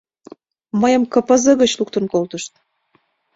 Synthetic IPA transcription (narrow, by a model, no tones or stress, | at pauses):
məjəmkəpəzə̆ɣə̆t͡ɕluk̚t̪ənkolt̪əʃt̪̚